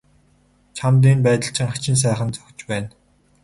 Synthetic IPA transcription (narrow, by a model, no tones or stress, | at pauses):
t͡ɕʰamt̪̬iːnpæːt̪ə̆ɬt͡ɕɪ̆ŋχḁt͡ɕɪ̆ns̬æːχə̆nt͡sœ̥xʲt͡ɕpæːn